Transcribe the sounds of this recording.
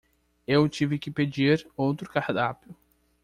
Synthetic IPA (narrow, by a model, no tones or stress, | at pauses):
ewt͡ʃivɪkɪped͡ʒiɾowt̪ɾʊkahd̪apjʊ